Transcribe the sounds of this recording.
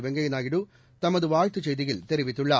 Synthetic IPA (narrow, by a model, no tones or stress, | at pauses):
ʋeŋɡɐjinaːjiɽu | t̪ɐmːɐðɯʋaːɻt̪ɨt͡ɕejðiɣilt̪eɾiʋit̪ːuɭːɐ